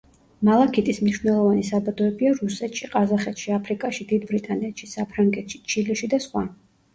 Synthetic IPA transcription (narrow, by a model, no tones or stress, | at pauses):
malˠakʰit̪ʼismniʃwnɛlˠɔvanisabad̪ɔɛbiaɾusɛt̪ʃiqʼazaχɛt̪ʃiapʰɾikʼaʃid̪id̪bɾit̪ʼanɛt̪ʃisapʰɾaŋɡɛt̪ʃi̥t͡ʃʰilɛʃid̪asχwan